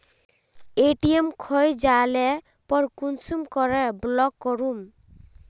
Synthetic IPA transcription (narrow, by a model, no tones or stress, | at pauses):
eʈiemkʰɔjd͡ʒalɛ | pɔɾkunsumkɔɾɛblɔkːɔɾum